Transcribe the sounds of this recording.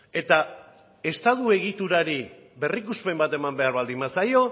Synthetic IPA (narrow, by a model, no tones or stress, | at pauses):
e̞t̪a | e̞st̪aðue̞ɣ̞it̪uɾaɾi | βe̞rikuspe̞mbat̪e̞mambe̞aɾβald̪imbasajo̞